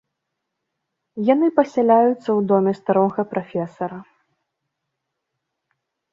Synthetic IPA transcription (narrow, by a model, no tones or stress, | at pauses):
janɨpɐsʲɛlʲajut̪sːɐwd̪ɔmʲɛst̪aɾɔɣɐpɾafʲɛsɐɾɐ